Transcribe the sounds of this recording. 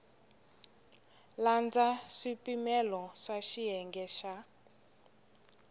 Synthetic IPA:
land͡zaʂipimɛlɔʂaʃiɦɛŋɡɛʃa

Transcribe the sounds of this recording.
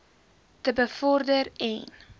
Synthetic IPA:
təbəfɔrdəɾɛn

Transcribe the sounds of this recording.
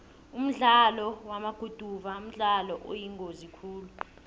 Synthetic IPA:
um̩ɮalɔwamaɡ̥ʱud̥ʱuvaum̩ɮalɔʔo̰jiŋɡozikʰuːlu

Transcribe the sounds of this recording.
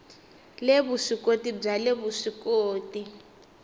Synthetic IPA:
leβuʂikotib͡ʐaleβuʂikoːti

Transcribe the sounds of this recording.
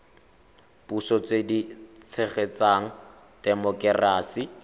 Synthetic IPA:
b̥usɔt͡sedit͡sʰɛχet͡saŋ̩ | tɛmɔkɛraːsi

